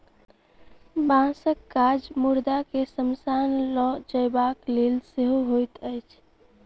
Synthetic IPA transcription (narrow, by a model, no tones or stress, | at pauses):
bãsəkːad͡ʒmuɾd̪akesəmsanlɔd͡ʒəɪbaklelseɦoɦojt̪əɪt͡ʃʰ